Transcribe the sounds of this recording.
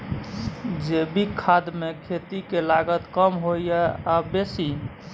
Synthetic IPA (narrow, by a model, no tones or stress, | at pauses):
d͡ʒebikʰad̪mekʰet̪ikelaɡət̪kəmɦojjɛabesi